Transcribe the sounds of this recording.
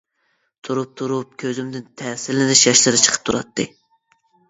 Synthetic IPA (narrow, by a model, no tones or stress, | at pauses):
t̪ʰuɾup̚t̪ʰuɾup̚kʲʰøzymd̪ɪnt̪ʰɛːsɪlɪnɪʃjɑʃlɨɾɨt͡ʃʰə̥qʰə̥t̪ʰuɾɑ̰t̪ʰːɨ